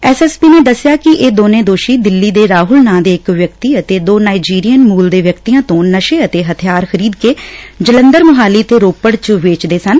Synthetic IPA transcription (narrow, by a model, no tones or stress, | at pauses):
ɛːsɛːspiːneːd̪əsːjaːkɪʔeːd̪oːnẽːd̪oːʃiːd̪ɪlːiːd̪eːɾaːɦʊlnãːd̪eːɪkʋjək̚t̪iːət̪eːd̪oːnaːid͡ʒiːɾijənmuːld̪eːʋjəkt̪iːjãːt̪õːnəʃeːət̪eːɦət̪ʰɪjaːɾxəɾiːd̪keːd͡ʒələnd̪əɾmʊɦaːliːt̪eːɾoːpəɽt͡ʃʋeːt͡ʃd̪eːsən